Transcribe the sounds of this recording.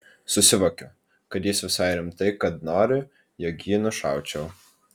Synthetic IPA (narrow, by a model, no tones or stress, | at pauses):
sʊsʲɪʋoːkʲʊ | kɐt̪jɪsʋʲɪsɑˑɪɾʲɪmt̪ɐɪkɐt̪noːɾʲɪ | jokjiːnʊʃɑˑʊt͡ʃʲɛw